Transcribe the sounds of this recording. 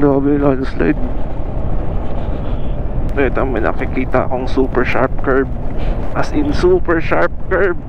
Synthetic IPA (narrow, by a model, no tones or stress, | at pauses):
ɾaːbɛlaːnsla̰jd̪̚ | ɛt̪ɐmɐnɐ̰kɪkiːt̪ɐʔɐ̰koɐŋsuːpɛɹʃa̰ɹp̚kɛɹb̚ʔɐsʔɪnsupɛɹʃaɹp̚kɛɹb̚